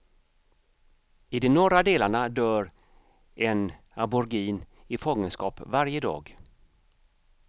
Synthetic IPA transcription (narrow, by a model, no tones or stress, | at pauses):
ɪd̪ɛnɔɾad̪eːlaɳad̪œːɾ | ɛn | abʊɾɡiːn | ɪfɔŋːənskɑːpvaɾjəd̪ɑ̰ːɡ